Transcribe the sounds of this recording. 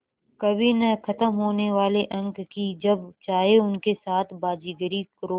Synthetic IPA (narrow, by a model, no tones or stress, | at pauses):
kɐbʱinɐkʰɐt̪əmɦoːneʋaːleʔɐ̃ŋɡkid͡ʒɐbt͡ʃaːɦeʊnkesaːt̪ʰbaːd͡ʒiːɡəɾikəɾoː